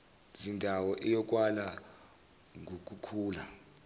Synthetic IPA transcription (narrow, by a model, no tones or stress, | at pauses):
zindʱawɔʔɛjɔk̬ʼwala | ŋʱok̬ʼukʰuːla